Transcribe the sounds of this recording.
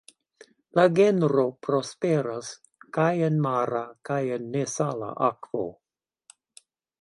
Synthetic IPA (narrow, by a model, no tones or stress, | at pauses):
laɡenɾopɾospeɾas | kajenmaɾakajenːesala̰ʔakvo̰